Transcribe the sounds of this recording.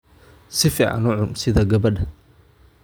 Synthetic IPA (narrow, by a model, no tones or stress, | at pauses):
sɪfiːʕa̰nʊʕʊmsɪðɐɡɐβɐɖɐ